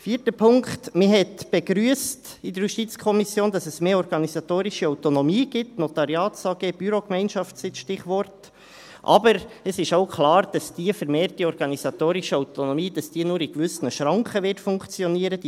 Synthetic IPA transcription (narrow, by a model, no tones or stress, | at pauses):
fiːtəpʰʊŋktmɪɦɛtb̥ɛɡɾyːəstɪd̥əɾjuʃtiːt͡skʰɔmisjoːnd̥ɑsɛsmeːɾɔɾɡ̥ɑnisɑtoːɾɪʃəaʊtonɔmiːɡɪtnotɑɾjɑːtsɑɡeːb̥yɾokmɛɪnʃɑftsɪtʃtɪχʋɔɾt | ʔɑ̰bəɾɛsɪʃaʊkʰlɑːɾd̥ɑsd̥iːəfɛɾmeːɾtdiɔɾɡ̥ɑnizɑt̪oːɾɪʃəaʊtonɔmiːd̥ɑsd̥iːənuːɾɪkʋʏsnəʃɾɑŋkχəʋɪtfʊŋkt͡sjɔniːəɾəd